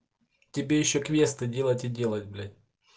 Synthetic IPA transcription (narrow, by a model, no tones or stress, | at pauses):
tʲɪbʲejɪɕːokvʲest̪ɨdʲe̞lˠətʲidʲe̞lˠətʲblʲɪ